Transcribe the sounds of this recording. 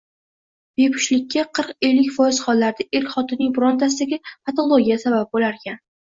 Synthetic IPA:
b̥e̞pʰʊ̥ʃlɪkʲʰːaqʰɨɾqe̞lːɪkʲfɒjɪz̥χɒlːaɾd̪aʔelkʲχɒt̪ɪnɪŋbʊɾɒnt̪ʰas̬ɪd̪aɡʲɪpat̪ʰolˠoɡʲijasabap̚bolaɾkʲʰan

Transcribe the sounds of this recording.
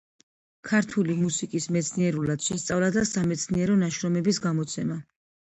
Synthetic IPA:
kʰaɾt̪ʰulimusikʼismɛt̪sʰniɛɾulad̪̥ʃɛst̪sʼavlad̪asamɛt̪sʰniɛɾɔnaʃɾɔmɛbisɡamɔt̪sʰɛma

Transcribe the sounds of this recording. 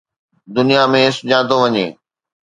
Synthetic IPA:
d̪ʊnijamẽɪsʊd͡ʑãːt̪oʋɐɲeː

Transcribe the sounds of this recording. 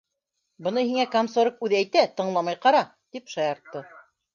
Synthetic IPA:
bɤ̆nɤɦiŋækamsoɾɤk̚ʉðæjt̪æt̪ɤ̆ɴlˠɑmɑjqɑɾɑ | t̪ipʃɑjɑɾt̪ːɤ

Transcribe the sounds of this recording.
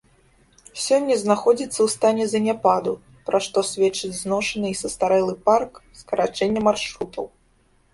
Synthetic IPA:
sʲɔnʲːɐznaxɔd͡zʲit̪sːɐwst̪anʲɛzɐnʲapad̪u | pɾaʂt̪ɔsʲvʲɛt͡ʂːɨd͡zʲznɔʂɐnɨisɐst̪aɾɛlˠɨparkskɐɾat͡ʂɛnʲːɐmarʂɾut̪ʰɐw

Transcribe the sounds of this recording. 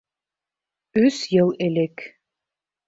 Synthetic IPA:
ʉsjɤlˠelɘk

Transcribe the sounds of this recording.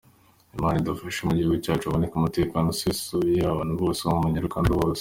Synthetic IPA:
imanidafaʃumuɟiuɡucaːt͡ʃuaβonekumute̞ːkanosisuβijaβaːnuβɡo̞ːseβamumuɲiɾukaːnduβoːs

